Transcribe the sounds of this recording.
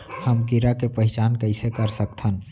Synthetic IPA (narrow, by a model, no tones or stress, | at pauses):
həmkiɾakepəɦɪt͡ʃankəɪsekəɾsəkt̪ʰən